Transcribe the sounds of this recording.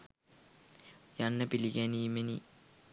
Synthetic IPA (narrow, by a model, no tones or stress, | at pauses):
jɐnːɐpiliɡeniːmeni